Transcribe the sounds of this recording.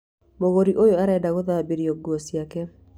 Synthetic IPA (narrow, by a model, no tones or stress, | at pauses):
moɣoɾiʔojoaɾadaɣoðabiɾiɔɡosjakɛ